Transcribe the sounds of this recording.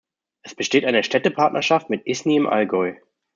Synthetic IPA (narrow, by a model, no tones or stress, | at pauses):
ʔɛsb̥əʃteːtʔaɪnəʃtɛtəpʰaɐtnʔɐʃaftmɪtʔɪsniɪmʔa̰lɡɔʏ